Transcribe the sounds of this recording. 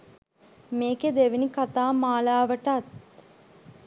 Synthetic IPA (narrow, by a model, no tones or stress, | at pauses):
meːked̪eʋinikat̪aːmaːlaːʋəʈat̪